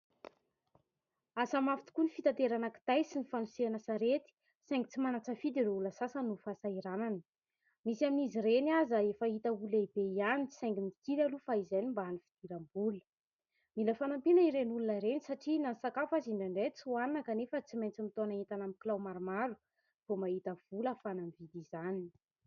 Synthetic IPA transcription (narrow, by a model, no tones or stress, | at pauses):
asamafi̥t̪i̥kunifit̪at̪eɾanaki̥t̪ajsinifanuseanasaɾet̪i̥ | sajŋɡit͡simanat͡səfid̪ireuləsasənufasaiɾananə | misaminizirenazəefəɦit̪əulaibeianit͡si̥sajŋɡimit̪iɾalufaizajnimbaɦanifid̪̥iɾambulə̥ | miləfanampinəiɾenulunəɾenisaʈ͡ʂinansakafaziɳɖ͡ʐaɳɖ͡ʐet͡suannakanefət͡simejnt͡simit̪onait̪anamiklawmaɾumaɾu̥ | v̥omaɦit̪əv̥uləfanamvid̪izani